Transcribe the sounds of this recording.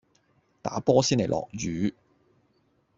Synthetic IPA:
t̪aː˨˥pɔː˥siː˥nle˨˩jlʔɔ̰ː˨k̚jyː˨˧˦

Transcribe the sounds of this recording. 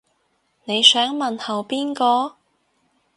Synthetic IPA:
ne˨˧jsœː˨˥ŋmɐ˨nhɐ˨wpiː˥nkɔː˧

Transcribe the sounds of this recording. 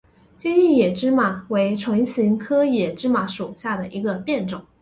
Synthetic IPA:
t͡ɕjɛ˥ni˥˩jɛ˨˩ʈ͡ʂɻ̩˥ma˨˩we˧˥ɪʈ͡ʂʰwə˧˥ŋɕi˧˥ŋkʰɤ˥jɛ˨˩ʈ͡ʂɻ̩˥ma˧˥ʂu˨˩ɕja˥˩d̪ə˩ʔi˧˥ɡə˧pjɛ˥˩nʈ͡ʂʊ˨˩˦ŋ

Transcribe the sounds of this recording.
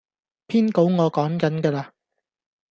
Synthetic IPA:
pʰiː˥nko˨˥wŋɔː˨˧kɔː˨˥ŋkɐ˨˥nkɛː˧laː˧

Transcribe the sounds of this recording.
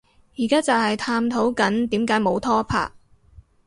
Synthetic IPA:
jiː˨˩kaː˥t͡sɐ˨whɐ˨jt̪ʰaː˧mt̪ʰo˨˥wkɐ˨˥nt̪iː˨˥mkaː˨˥jmo˨˧˥wt̪ʰɔː˥pʰa̰ː˧k̚

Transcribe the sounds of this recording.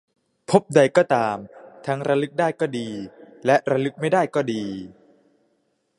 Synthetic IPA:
pʰo˦˥p̚da˧jkɔː˥˩t̪aː˧mt̪ʰa˦˥ŋɾa˧lɯ˦˥k̚daː˥˩jkɔː˥˩diː˧ | lɛ˦˥ʔɾa˧lɯ˦˥k̚ma˥˩jdaː˥˩jkɔː˥˩diː˧

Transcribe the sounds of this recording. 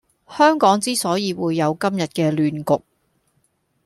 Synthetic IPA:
hœː˥ŋkɔː˨˥ŋt͡siː˥sɔː˨˥jiː˧wuː˨˧jːɐ˨˧wkɐ˥mjɐ˨t̚kɛː˧lyː˨nkʊ˨k̚

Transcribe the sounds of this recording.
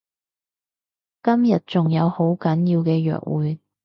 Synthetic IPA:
kɐ˥mjɐ˨t̚t͡sʊ˨ŋjɐ˨˧who˨˥wkɐ˨˥njiː˧wkɛː˧jœ̰ː˨k̚wuː˨˧j

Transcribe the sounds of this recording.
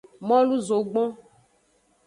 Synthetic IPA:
mɔ̃˦lu˦zo˨ɡ͡bɔ̃˦

